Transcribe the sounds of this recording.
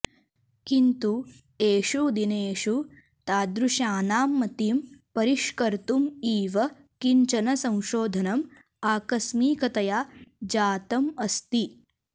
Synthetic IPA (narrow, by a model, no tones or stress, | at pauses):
kint̪u | eːʃud̪ineːʃu | t̪aːd̪ɾuʃaːnaːmːɐt̪iːmpɐɾiʃkɐɾt̪umiːʋɐ | kiɲt͡ʃɐnɐsɐ̃w̃ʃoːd̪ʱɐnɐm | aːkɐsmiːkɐt̪ɐjaːd͡ʒaːt̪ɐmɐst̪i